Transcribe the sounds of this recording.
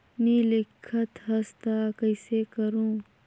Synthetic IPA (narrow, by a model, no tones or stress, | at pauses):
nilɪkʰːət̪ɦɐst̪aːkɐɪsekɐɾũː